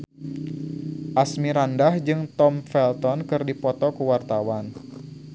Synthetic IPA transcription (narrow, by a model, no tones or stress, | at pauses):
ʔasmiɾandahd͡ʒɨŋt̪ɔmfɛlt̪ɔnkɨrdipɔt̪ɔkəwart̪awan